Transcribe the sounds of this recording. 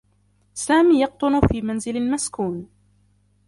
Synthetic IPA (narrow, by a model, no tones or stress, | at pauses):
saːmiːjɑq̚t̪ˤʊnʊfiːmanzɪlalmaskuːn